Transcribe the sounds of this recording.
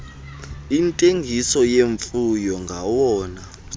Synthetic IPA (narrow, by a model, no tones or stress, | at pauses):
intʼeŋɡʱisɔjeɱfujɔŋɡʱawɔːna